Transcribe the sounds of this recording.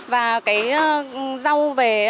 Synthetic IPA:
vaː˨˩kaː˨˦jza˧wve˨˩

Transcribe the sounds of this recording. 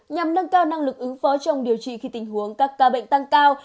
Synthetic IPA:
ɲa˨˩mnə˧nkaː˧wna˧ŋlɨ˨˩k̚ʔɨ˨˦ŋfɔ˨˦t͡ɕɔ˧wŋ͡mɗi˨˩əwt͡ɕḭ˧˨xi˧t̪ï˨˩ŋ̟hu˨˦əŋkaː˦˥kːaː˨˦ɓə̰˧˨ŋ̟t̪a˧ŋkaː˧w

